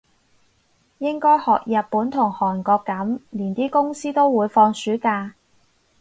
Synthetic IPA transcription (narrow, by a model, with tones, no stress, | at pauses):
jɪ˥ŋkɔː˥jhɔː˨k̚jɐ˨t̚puː˨˥nt̪ʰʊ˨˩ŋhɔː˨˩nkɔː˧kːɐ˨˥mliː˨˩nt̪iː˥kʊ˥ŋsiː˥t̪o˥wwuː˨˧jfɔː˧ŋsyː˨˥kaː˧